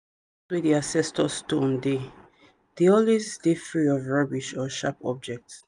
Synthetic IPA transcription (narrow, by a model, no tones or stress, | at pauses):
swidiasɛstɔstomde | d̥iɔlisdefɹiɔvɹabiʃɔʃapɔ̰b̚d͡ʒɛk̚ts